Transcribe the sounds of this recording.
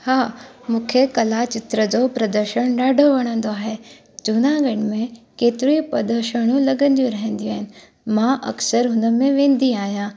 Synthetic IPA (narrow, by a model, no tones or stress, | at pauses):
haː | mũːkʰekɐlat͡ɕɪt̪ɾəd͡ʑopɾɐd̪əɾʃəɽ̃ɗaːɖʱoʋɐɽ̃ə̃nd̪oaːɦe | d͡ʑunãɡɐɽ̤̃̆mẽkeːt̪ɪɾipɐd̪əɾʃəɽ̃ũlɐɡə̃nd̪jũɾɐɦə̃n̆d̪ijũaːɦɪnɪ̆ | mãʔɐ̰ksəɾɦʊnəmẽʋẽːn̆d̪iaːɦijãː